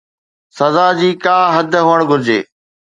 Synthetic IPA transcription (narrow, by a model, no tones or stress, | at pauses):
sɐzaːd͡ʑiːkaːɦɐd̪ʱɦoːəɽ̃ɡʱʊɾd͡ʑḛː